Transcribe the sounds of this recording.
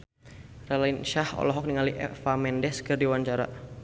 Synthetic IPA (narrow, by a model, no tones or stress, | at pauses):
ralinʃahɔ̰lɔɦɔk̚niŋaliʔɛ̰famɛndɛskɨrdiwaɲt͡ʃaɾa̰